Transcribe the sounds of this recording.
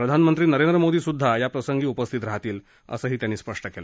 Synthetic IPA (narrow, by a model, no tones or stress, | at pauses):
pɾəd̪ʱanmənt̪ɾiːnəɾend̪ɾəmod̪iːsud̪ʱːajapɾəsəŋɡiːupəst̪ʰit̪ɾaɦat̪iːl | ə̰səːɦiːt̪janːiːspəʂʈəkelə̰